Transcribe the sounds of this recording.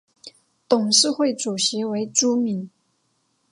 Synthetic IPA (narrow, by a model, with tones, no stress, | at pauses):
t̪ʊ˨˩ŋʂɻ̩˥˧xwe˥˩ɪʈ͡ʂu˨˩ɕi˧˥we˧˥ɪʈ͡ʂu˥mi˧˥n